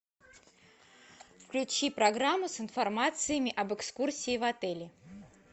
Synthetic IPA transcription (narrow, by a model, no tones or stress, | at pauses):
fklʲʉt͡ɕipɾɐɡɾamːʊsɪnfɐrmat̪sɨjəmʲɪʔɐbɨkskursʲiɪːvɐt̪ɛlʲɪ